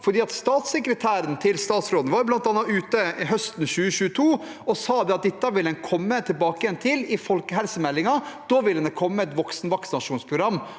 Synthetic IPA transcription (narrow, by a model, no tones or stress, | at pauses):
fɔɖiːɑt̪st̪ɑːt̪sɛkɾət̪ʰæːɾənt̪ʰɪlst̪ɑːt̪sɾoːd̪nʋɑːɾjʊb̪ɑnt̪ɑːnːɑʉːt̪əɪɦœst̪n̩ɕʉːəɕʉːət̪ʰuː | ɔsɑːd̪ɛɑt̪̚d̪ɪt̪ːɑʋɪlɛnkʰɔmːət̪ʰɪlbɑːkəjɛnt̪ʰɪlɪfɔlkəɦɛlsəmɛlːɪŋɑd̪̥oːʋɪlːəd̪ɛkʰɔmːəɛt̪ʋɔksnʋɑksɪnɑʂuːnspʰɾʊɡɾɑmː